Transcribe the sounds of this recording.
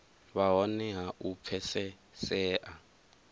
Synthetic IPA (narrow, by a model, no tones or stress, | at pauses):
βaɦɔnɛɦaʔupʰɛsɛ | sɛːʔa